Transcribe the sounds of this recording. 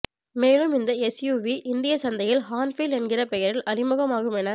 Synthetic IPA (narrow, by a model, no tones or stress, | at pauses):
meːlɯmɪnd̪ɐɛsjuːʋiʔɪnd̪ɪjɐsɐnd̪ɐjɪlhaːnfiːlɛnɡɪrɐpɛjɐɾɪlʔɐɾɪmɯɣɐmaːɣɯmɛnɐ